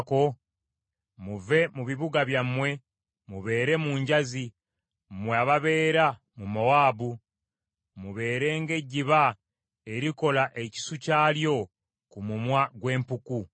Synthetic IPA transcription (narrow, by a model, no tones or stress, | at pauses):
ko̞ | muve̞muβiβuɡaβjamwe̞ | muβe̞ːɾe̞muːɲɟazi | mweaβaβe̞ːɾa | mumowaːbu | muβe̞ːɾe̞ːŋɡe̞ɟːiβa | e̞ɾiko̞laʔe̞ci̥sucaːljo̞ | kumumwaɡwe̞ːmpuku